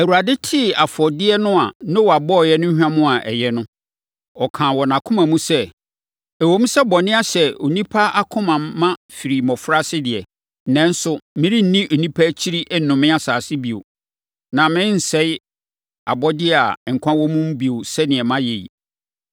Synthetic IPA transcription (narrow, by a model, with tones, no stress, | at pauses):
æ˨u˨ɾa˨dɪ˦tʰɪ˦˨a˨fɔ˨dɪ˦ɛ˦nʊ̃˦a˨nɪ̃˦wɔ˨a˨bɔ˦˨jɛ˦nʊ̃˦ɲ̩˦hᶣã˦mʊ̃˦a˨ʔɛ̰˨jɛ˦nʊ̃˦ | ɔ˨kʰãː˨wɔ˨nã˨kʰʊ̃˦mã˨mũ˦sɛ˦ | æ˨wõ˦m̩˦sɛ˦bɔ˨nɪ̃˦a˦ɕɛ˨o˨nĩ˦pʰa˦a˦kʰʊ̃˦mã˨mːã˦fi˨ɾi˨mɔ̃˨fɾa˦sɪ˦dɪ˨ɛ˨˦ | nɛ̃˦n̩˦sʊ˦mɪ̃˦ɾĩ˦n̩˨nĩ˦ʔo˨nĩ˦pʰa˦t͡ɕʰi˦ɾi˦ʔnʊ̃˨mɪ̃˦a˦saː˨sɪ˦bi˨o̰˨ | nã˨mɪ̃˦n̩˨sɛ˦ɪ˦ | a̰˨bɔ˦dɪ˦ɛ˦˨a̰˨ŋ̩˨kʷʰã˦wɔ˦mũ˦m̩˦bi˨o˨sɛ˦nɪ̃˨ɛ˨mã˦je˨ḭ˨